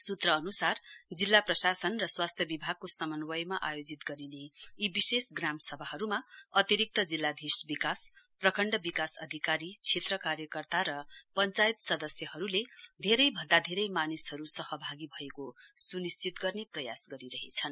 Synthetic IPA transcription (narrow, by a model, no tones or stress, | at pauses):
sut̪rʌːnusard͡zilːaprʌsasʌnrʌswast̪ʰjʌbibʱaɡ̚kosʌmʌnwʌjmaʔajod͡zit̪ɡʌɾineːbisesɡramsʌbʱaɦʌɾumaʌt̪iɾik̚t̪ʌd͡zilːad̪ʱirsbikas | prʌkʰʌɳɖʌbikasʌd̪ʱikaɾit͡sʰet̪rʌkarjʌkʌrt̪aɾʌpʌnt͡sajt̪sʌd̪ʌsjʌɦʌɾuled̪ʱeɾʌjbʱʌnd̪ad̪ʱeɾʌjmanishʌɾusʌhʌbʱaɡibʱʌekosunist͡sit̪ɡʌrneprʌjasɡʌɾiɾʌɦet͡sʰʌn